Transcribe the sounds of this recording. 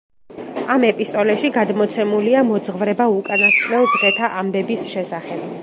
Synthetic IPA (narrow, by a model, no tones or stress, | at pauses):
amɛpʼist̪ʼɔlɛʃiɡad̪mɔt̪sʰɛmuliamɔd̪zʁvɾɛbaukʼanasqʼnɛlbʁɛt̪ʰaʔambɛbisʃɛsaχɛb̥̚